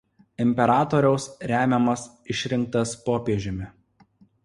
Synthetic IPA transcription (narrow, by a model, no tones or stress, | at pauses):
ɪmʲpʲɛɾɑːt̪ɔːɾʲɛʊsɾʲæːmʲɛmɐs | ɪʃʲɾʲɪŋk̚t̪ɐspoːpʲiɛʒʲɪmʲɪ